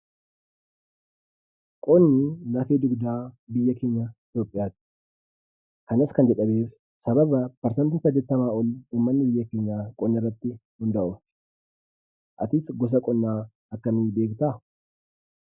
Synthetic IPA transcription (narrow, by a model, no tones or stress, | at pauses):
kʼɔnːilaːfeːd̪ʊɡd̪aːbɪjːɐke̞ːɲːɐɪt̪joːpʼːɪjaːt̪ɪ̥ | kɐnɐskɐnd͡ʒɛᶑɐbeːf | sɐbɐbɐpɐɾsɐnt̪ɪnsɐɡːɛt̪ːɐmaːɔluːmːɐnːɪbɪjːɐkeːɲːaːkʼɔnːɪrːɐt̪ːɪhʊnd̪ɐʔʊf | ʔɐt̪ɪsɡɔs̬ɐkʼɔnːaː | ɐkːɐmiːbe̞ːkt̪aː